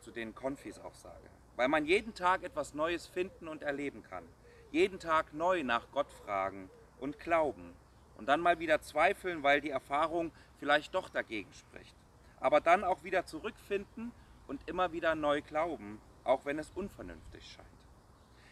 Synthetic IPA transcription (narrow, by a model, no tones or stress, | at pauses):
t͡sudeːnkʰɔnfisa̰ʊxz̥a̰ːɡə̰ | vaɪlmanjeːdn̩tʰaːkʔɛtv̥asnɔʏəsfɪndn̩ʊntɛɐleːbm̩kʰa̰n | jeːdn̩tʰaːknɔʏnaːχɡ̥ɔtfʁ̥a̰ːɡŋ̩ | ʔʊntɡ̥laʊbm̩ | ʔʊnt̚d̥anmaːlviːdɐt͡sv̥aɪfl̩nvaɪldiːɛɐfaːʁ̞ʊŋ | fɪlaɪçt̚d̥ɔχd̥aɡeːɡŋ̩ʃpʁ̥ɪ̰çt | ʔaːbɐdanaʊxv̥iːdɐt͡suʁʏkfɪndn̩ʔʊntʔɪmɐviːdɐnɔʏɡlaʊbm̩ | ʔa̰ʊxv̥ɛnɛsʔʊnfɛɐnʏ̰nftɪçʃa̰ɪnt